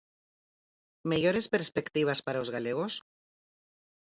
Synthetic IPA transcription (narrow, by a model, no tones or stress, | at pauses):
meʝoɾespeɾspekt̪iβ̞aspaɾaozɣaleɣ̞os